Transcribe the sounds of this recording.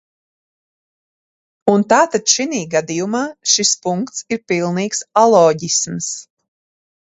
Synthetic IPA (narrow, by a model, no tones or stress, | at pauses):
unt̪aːt̪ad̪ʃiniːɡad̪ijumaːʃispuŋkt̪siɾpilˠniːksalˠɔːɟisms